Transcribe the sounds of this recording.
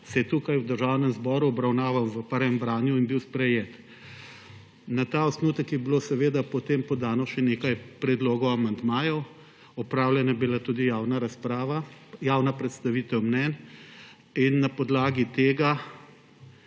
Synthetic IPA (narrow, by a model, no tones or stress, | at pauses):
sɛjɛt̪uːkajwd̪əɾʒaːwnɛmzbɔːɾuɔbɾawnaːʋawʋəpəɾʋɛmbɾaːnjuinbiwspɾɛjeːt̪ | nat̪aɔsnuːt̪əkjɛbilosɛʋeːd̪apɔt̪empɔd̪aːnɔʃɛneːkajpɾɛd̪loːɡɔwamand̪maːjɔw | ɔpɾawlʲjɛnabilat̪uːd̪ijaːwnaɾaspɾaːʋajaːwnapɾɛt̪st̪aʋit̪ɛwmnɛn | inːapɔd̪laːɡit̪eːɡa